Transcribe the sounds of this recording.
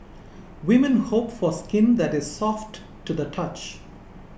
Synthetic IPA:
wɪmə̃nhopfɔskɪ̃nd̪ætɪz̥sɔftː | ud̪ətʰʌt͡ʃ

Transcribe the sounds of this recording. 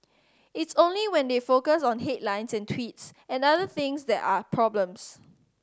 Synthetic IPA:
ɪtsõnliwɛ̃ndefokəsɔ̃nɦetlãɪ̃nsɛ̃ntʰwitsɛ̃naðəθɪ̃ŋsdɛtapʰɹɔblə̃ms

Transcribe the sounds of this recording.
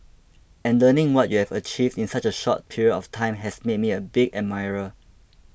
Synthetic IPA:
ɛ̃nlənĩŋwɔt̚juhɛvət͡ʃivdĩnsat͡ʃəʃɔ̰t̚pʰiɹiədɔftʰãɪ̃mɦɛsmed̚miəbiɡɛmaɪɹə

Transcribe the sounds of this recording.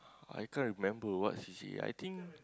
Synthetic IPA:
a̰jkãnɹimɛ̃mbəwɔ̰tsisḭa̰jt̪ĩŋk

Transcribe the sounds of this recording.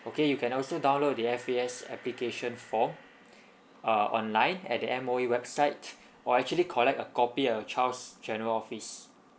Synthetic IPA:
okejukʰɛ̃nɔlsodãw̃nlod̚diɛfiɛsɛ̰plikeʃə̃nfɔm | əɔ̰̃nlãɪ̃nɛ̰t̚diɛ̃moiwɛbsaɪt | ʔɔɛk̚t͡ʃuəlikʰɔlɛk̚təkɔpiət͡ʃawsd͡ʒɛ̃nəɹəlɔfis

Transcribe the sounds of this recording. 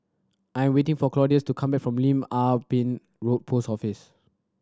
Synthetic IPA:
ʔãjɛ̃mwetɪ̃ŋfɔklɔdiəstukʰãmbɛk̚fɹɔ̃mlĩmapĩn | ɹot̚pʰosɔfis

